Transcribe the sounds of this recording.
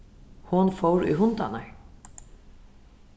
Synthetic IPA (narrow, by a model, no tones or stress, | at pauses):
hʊnfɔwɾʊ̰jɦʊnt̪ana̰ɹ